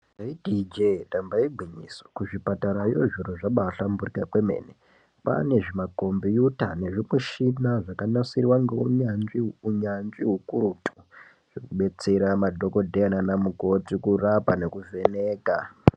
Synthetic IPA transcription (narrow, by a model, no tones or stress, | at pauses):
aidid͡ʒetambaiɡʱwiɲisokuʐipataɾajoʐiroʐaɓaɬamburikakwe̞mḛːne | pa̰ne̞ʐimako̞mbijutane̞ʐimweʃinaʐakanasiriwaŋɡeuɲanʐiuɲanʐiɦukuɾutʰu̥ | ʐ̥ekuɓe̞t͡se̞ɾamadʱo̞ko̞dʱeananamuko̞tikurapane̞kuve̞ne̞ːka